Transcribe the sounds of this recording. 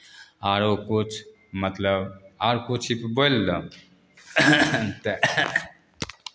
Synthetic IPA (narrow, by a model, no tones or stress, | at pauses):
aːɾokut͡ʃʰ | mɐt̪ləbaːɾkut͡ʃʰipbolːə | t̪e